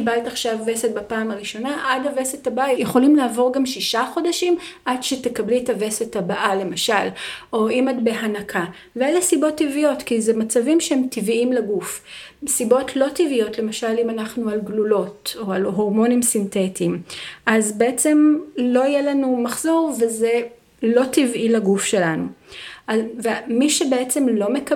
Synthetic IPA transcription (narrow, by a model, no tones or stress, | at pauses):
ibaltaχʃavveset̚bapaːmaʁiʃo̞naʔadavesetabaajejeχo̞limlaːvo̞ʁɡamʃiʃaχo̞daʃimʔadʃete̞kablitavesetabaʔale̞maʃalʔo̞imatbe̞ɦanakʰa | veelesibo̞tːivijo̞tkizemat͡savimʃehemtiviimlaɡufsibo̞tʰlo̞tivijo̞tle̞maʃalimanaχnualɡlulo̞to̞alɦo̞ʁmo̞nimsintetimʔazbeet͡se̞mloijelanumaχz̥o̞ʁveze | lo̞tivʔilaɡufʃe̞lanuʔavemiʃebeet͡se̞mlo̞meka